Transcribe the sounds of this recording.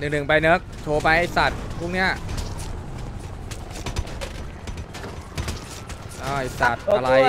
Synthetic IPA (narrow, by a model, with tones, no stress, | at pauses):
nɯ˨˩ŋnɯ˨˩ŋpa˧jnɤ˦˥k̚t͡ɕʰoː˧˩pa˧jha˧˩sa˨˩t̪̚pʰu˥˩ŋni˦˥ɐ | ʔaː˧˩i˨˩sa˨˩t̪̚a˧ɾa˧j